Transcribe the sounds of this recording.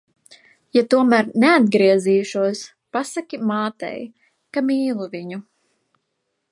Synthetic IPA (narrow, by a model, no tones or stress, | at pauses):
jat̪uɔmæɾnead̪̚ɡɾiɛziːʃuɔs | pasakʲimaːt̪ɛ̰j | kamiːlˠuviɲu